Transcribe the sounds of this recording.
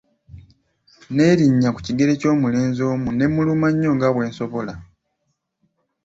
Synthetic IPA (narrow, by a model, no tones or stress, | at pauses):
ne̞ɾiɲːaku̥ciɡe̞ɾe̞co̞ːmule̞ːnzo̞ːmune̞mulumaɲːo̞ːŋɡaβwe̞ːnso̞βo̞la